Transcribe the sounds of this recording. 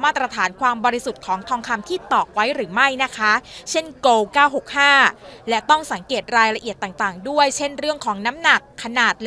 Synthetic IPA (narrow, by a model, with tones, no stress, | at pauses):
maː˥˩t̪̚ːɾa˧t̪ʰaː˩˦nkʰwaː˧mbɔː˧ɾi˦˥su˨˩t̪̚kʰɔː˩˦ŋt̪ʰɔː˧ŋkʰa˧mt̪ʰiː˥˩t̪ɔː˨˩k̚wa˦˥jɾɯː˩˦ma˥˩jna˦˥kʰa˦˥t͡ɕʰe˥˩nkoː˧wkaː˥˩wɦo˨˩k̚haː˥˩lɛ˦˥ʔt̪ɔ˥˩ŋsa˩˦ŋkeː˨˩t̪̚ɾaː˧jɾa˧ʔi˨˩ət̪ːaː˨˩ŋt̪aː˨˩ŋdu˥˩əjt͡ɕʰe˥˩nɾɯ˥˩əŋkʰɔː˩˦ŋna˦˥mna˨˩kʰːa˧naː˨˩t̪̚l